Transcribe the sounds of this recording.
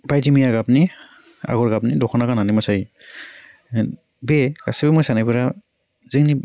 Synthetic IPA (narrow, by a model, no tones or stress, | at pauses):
bajdimijaɡapni | a̰ɡɔɹɡapnidɔkʰɔnakananimɔsai | beɡasebɛmɔjsanapiɾa | ziŋni